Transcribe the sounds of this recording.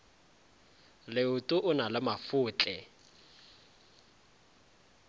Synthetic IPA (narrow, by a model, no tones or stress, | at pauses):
lɪʊtʼʊʔʊnalɪmafʊːt͡ɬʼɛ